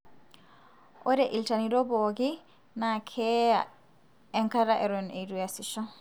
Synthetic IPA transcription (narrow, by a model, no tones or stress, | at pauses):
ʔɔɾɛʔiltaniɾɔbɔɡi | nakʰɛa̰ | ɛŋkaɾaʔɛɾɔneɾujasiʃɔ